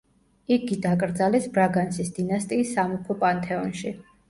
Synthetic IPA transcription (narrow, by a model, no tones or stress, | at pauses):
iɡid̪akʼɾd̪zalɛsbɾaɡant̪sʰisd̪inast̪ʼiːsːamupʰɔpʼant̪ʰɛɔnʃi